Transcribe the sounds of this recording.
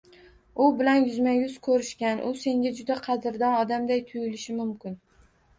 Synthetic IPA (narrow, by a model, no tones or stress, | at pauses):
ʊbɪlanjʊzmajʊzkʰɵɾɪʃkʲanʔʊse̞ŋɡʲad͡ʒʊd̪aqʰɑd̪ɪɾd̪ɒnɒd̪amd̪ajt̪ʰʊjɪlɪʃɪmʊmkʲɪn